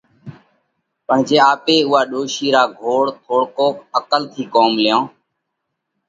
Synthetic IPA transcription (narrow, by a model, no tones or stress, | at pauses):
pəɳ̤d͡ʒeːaːpeːʊɦaːɗoːʃiːɾaːɡʱoːɽt̪ʰoːɽkoːkəkəlt̪ʰiːkoːmljõː